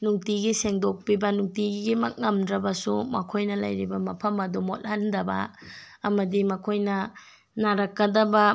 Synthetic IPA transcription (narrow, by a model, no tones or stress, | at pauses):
nuŋtiɡiseŋdok̚pibɐnuŋtiɡɡimɐk̚ŋɐmdɾɐbɐsumɐ̰kʰojnɐlɐ̰jɾibɐmɐpʰɐmɐdumot̚hɐndɐbɐ̰ | ɐmɐdimɐkʰojnɐ | naɾɐkːɐdɐbɐ